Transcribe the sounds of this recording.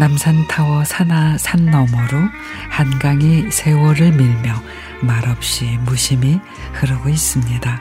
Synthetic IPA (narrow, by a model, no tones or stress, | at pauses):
namsʰantʰawʌsʰansʰanːʌmʌɾo | hanɡaŋisʰe̞wʌɾɯɭmiɭmjʌ | maɾʌp̚ɕ͈imuɕʰimi | kɯɾʌɡois͈ɯmɲida